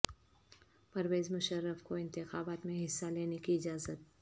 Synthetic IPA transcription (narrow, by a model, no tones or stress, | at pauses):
pɐɾʋeːzmʊʃəɾːəfkoɪ̃nt̪ɪxaːbaːt̪mẽɦɪsːaleːnekiɪd͡ʒaːzət̪̚